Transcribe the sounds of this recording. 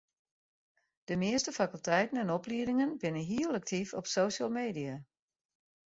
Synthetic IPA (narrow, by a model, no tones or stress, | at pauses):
d̥əmɪəstəfakylˠtʰɛjtən̩ɛnɔpliədɪŋənbɪnəɦiələk̚tʰifɔpsoːʃəlˠmeːdia